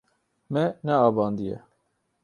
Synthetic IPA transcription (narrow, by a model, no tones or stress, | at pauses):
mɛnɛɑːbɑːnd̪ijɛ̰